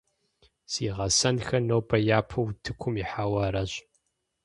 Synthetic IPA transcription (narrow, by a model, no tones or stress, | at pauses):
siːʁɐsɐnxɐnowbʰɐjaːpʰɐwtʰɨkʷʰʊmiħaːwɐɾɐɕ